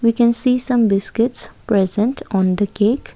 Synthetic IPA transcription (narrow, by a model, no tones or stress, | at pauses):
ʋiːkɛ̃nsiːsʌ̃mbɪskɪʈspɾɛzə̃ɳʈʰɔ̃ːnd̪əkeːk